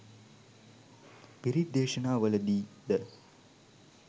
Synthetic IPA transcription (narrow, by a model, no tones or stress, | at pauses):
piɾid̪̚eːʃɐnaːʋɐlɐd̪iːd̪ə